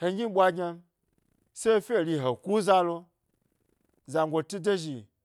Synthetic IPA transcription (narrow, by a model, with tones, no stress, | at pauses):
he˧ɲʲi˦ɓʷa˧ɡʲɲa˧˦ | se˦fʲe˦˨ɾʲi˧ɦo˨ku˦za˦lo˧ | za˨ŋɡʷo˧tu˦de˦ʒi˨